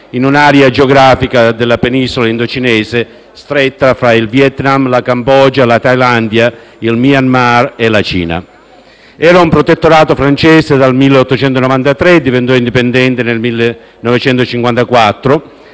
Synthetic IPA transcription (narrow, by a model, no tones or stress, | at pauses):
inunaɾjad͡ʒeoɡɾaːfikad̪elːapenisolaind̪ot͡ʃinɛːse | st̪ɾet̪ːafɾailvjɛt̪namlakambɔd͡ʒalat̪ajland̪ja | ilmianmarelat͡ʃḭːna̰ | ɛːɾaumpɾot̪et̪ːoɾaːt̪ofɾant͡ʃɛːsed̪almilːeɔt̪ːot͡ʃɛnt̪onɔvant̪at̪ɾed̪ivent̪̬ɔind̪ipend̪ɛnt̪enelmilːe | nɔvet͡ʃɛnt̪ot͡ʃiŋkwant̪akwat̪ːɾo